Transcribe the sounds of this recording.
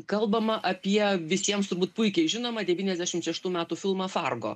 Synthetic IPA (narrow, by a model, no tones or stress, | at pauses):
kɐlˠbɐmɐʔɐpʲiɛʋʲɪsʲiɛmst̪ʊɾbuːt̪pʊɪkʲɛɪʒʲɪnoːmɐd̪ʲɛʋʲiːnʲɛzʲd̪ʲæːʃʲɪmʃʲɛʃt̪uːmʲæːt̪uːfʲɪlˠmɐːfɑrɡo̰ː